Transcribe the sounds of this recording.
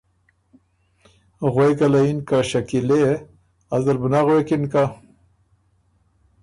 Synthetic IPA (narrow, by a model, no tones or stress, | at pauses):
ɣweɡalainkaʃakile | azd̪albənaɣwekinka